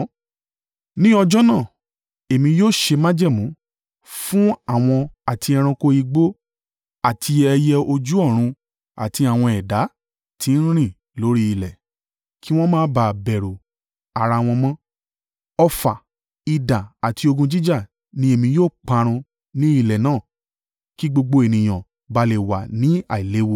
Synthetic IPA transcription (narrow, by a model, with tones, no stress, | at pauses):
nĩ˦ɔ˧d͡ʒɔ˦nã˦˨ | e˨mĩ˧joː˦˨ʃe˧mã˦d͡ʒɛ˦˨mũ˨˦ | fũ˦a˦˨w̃ɔ̃˧a˨ti˧ɛ˧ɾ̃ã˧ko˧i˧ɡ͡bo˦ | a˨tʰi˧ɛ˧jɛ˧o˧d͡ʒu˦ɔ˦˨ɾ̃ũ˧ | a̰˨ti˧a˨w̃ɔ̃˧ɛ˨da˨˦ | tʰĩ˨˦n̩˦ɾ̃ĩ˦˨ | lo˨˦ɾi˦i˧˨lɛ˨ | ki˦w̃ɔ̃˦mãː˦ba˧˨bɛ˨ɾo˨ | a˨ɾa˧˨w̃ɔ̃˧mɔ̃˦ | ɔ˧fa˨ | i˨dã˨a˨ti˧o˧ɡũ˧d͡ʒi˦d͡ʒa˦˨ | nĩ˨˦e˦˨mĩ˧joː˦˨k͡pa˧ɾ̃ũ˧ | nĩ˦i˦˧˨lɛ˨nãː˦˨ | ki˦ɡ͡bo˧ɡ͡bo˧e˨nĩ˨j̃ã˨ | ba˧le˨wa̰˨nĩ˨˦a̰˦˨i˨le˨˦wo˧˨